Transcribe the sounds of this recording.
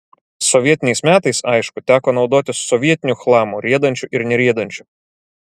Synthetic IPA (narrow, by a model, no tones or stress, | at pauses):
sɔʋʲiɛt̪ʲɪnʲɛɪsmʲæːt̪ɐɪsɐɪʃkʊt̪ʲæːkɔːnɒʊd̪oːt̪ʲɪsɔʋʲiɛt̪ʲɪnʲuxlˠɑːmuɾʲiɛd̪ɐnʲt͡ʃʲʊʔɪɾnʲɛɾʲiɛd̪ɐnʲt͡ʃʲʊ̥